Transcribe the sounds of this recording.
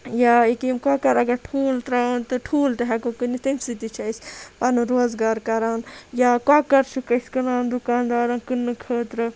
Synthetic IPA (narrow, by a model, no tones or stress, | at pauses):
jaːekimkakɐɾɐɡɐɾʈʰuːlt̪ɾaːnt̪ɨʈʰuːlʈ̪ɐɦɛkokɨnit̪ɐnsɨt̪it͡ʃʰɐjspɐnɨɾoːzɡaːɾkɐɾaːnjakaːkɐɾt͡ʃʰukɐsʲkɐnaːnd̪ukaːnd̪aːɾɐnkɨnːɨkʰəːt̪ɾɐ